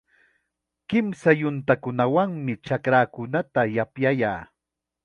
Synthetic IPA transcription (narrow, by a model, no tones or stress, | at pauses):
kɪmsajʊnt̪akʊnawaŋmɪt͡ʃakɾaːkʊnat̪ajapjajaː